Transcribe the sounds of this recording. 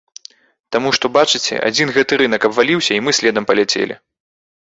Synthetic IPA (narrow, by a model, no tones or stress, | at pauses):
t̪amuʂt̪ɔbat͡ʂɨt͡sʲɛ̰ʔa̰d͡zʲinɣɛt̪ɨɾɨn̪ɐkɐbvalʲiwsʲɐimɨsʲlʲɛd̪ɐmpɐlʲat͡sʲḛlʲḭ